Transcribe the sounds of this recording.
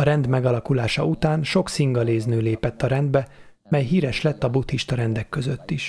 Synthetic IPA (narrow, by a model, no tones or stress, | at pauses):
ɒɾɛnd̪mɛɡɒlɒkulaːʃɒut̪aːnʃo̞ksiŋɡɒleːznøːleːpɛt̪ːɒɾɛnd̪bɛ | mɛjɦiːɾɛʃlɛt̪ːɒbut̪iʃt̪ɒɾɛnd̪ɛkːø̞zøt̪ːiʃ